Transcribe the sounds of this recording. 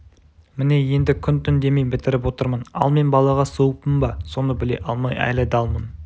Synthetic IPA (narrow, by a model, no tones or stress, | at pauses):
mɪne̞je̞nd̪ɪkʲʰʏnt̪ʰʏnd̪e̞mejbɪt̪ɪɾɪp̬wo̞t̪əɾmənɑ̰lˠme̞nbɑlˠɑʁɑsoəpəmbɑso̞nəbɪle̞̰ʔɑlˠmɑjɑ̰jlˠɑjd̪ɑlˠmən